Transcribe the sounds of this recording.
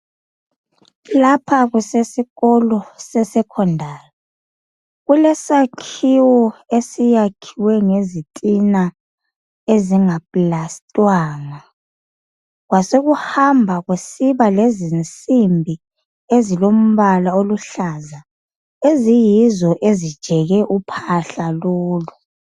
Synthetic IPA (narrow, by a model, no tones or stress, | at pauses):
lapʰaɣusesiɣɔlɔsɛsɛkʰɔndʱaːjɔ | ɣulɛsakʰiwɔesijakʰiwɛŋezitʼina | eziŋapʼlastʼwaːŋa | ɣwasoɣuhambʱaɣwesiβalezint͡sʼimbʱi | ezilom̩βalaoluɬaːza | ezijizɔʔezid̥ʒ̥ʱɛɣɛʔupʰaɬaloːlu